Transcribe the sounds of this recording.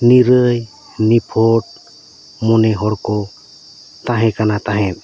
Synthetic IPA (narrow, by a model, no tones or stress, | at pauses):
niɾəj | nipʰɔʈ̚ | mɔnɛɦɔɾkɔ | t̪ãɦɛ̃kanat̪ãɦɛ̃t̪̚